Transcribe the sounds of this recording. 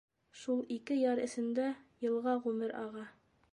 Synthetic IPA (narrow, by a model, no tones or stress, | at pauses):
ʃulˠikɘjɑɾɘ̆sɘ̆nd̪æjɤ̆lˠʁɑʁʉmɘɾɑ̰ʁɑ